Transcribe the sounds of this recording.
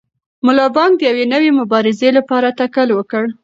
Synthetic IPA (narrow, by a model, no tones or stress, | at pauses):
mʊlɑbɑŋɡ̚d̪əjawenəwemʊbɑɾɪzelapɑɾat̪akalwəkəɽ